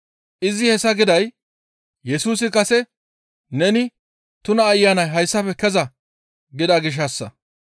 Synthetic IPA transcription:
ʔɪzɪhɛsːɐɡɪd̪ɐj | jɛsuːsɪkɐsɛ | nɛnɪ | t̪ʊnɐːjːaːnɐjɦɐjsːɐpɛkɛzɐ | ɡɪd̪aɡɪʃ̬ɐsːɐ̰

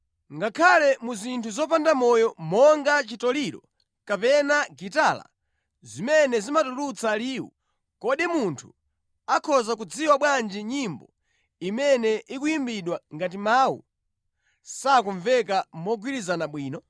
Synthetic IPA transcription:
ŋɡakʰalɛmuzintʰuzɔpandamɔjɔmɔŋɡat͡ʃitɔliɾɔ̰ | kapɛnaɡitala̰ | zimɛnɛzimatuɾut͡saliːwṵ | kɔɗimuntʰu̥ | akʰɔzak̬ud͡ziwaɓwand͡ʒiɲimbɔ | imɛnɛʔikuimbiɗwaŋɡat̬imaːwṵ | sakuɱvɛkamɔɡwiɾizanaɓwiːnɔ

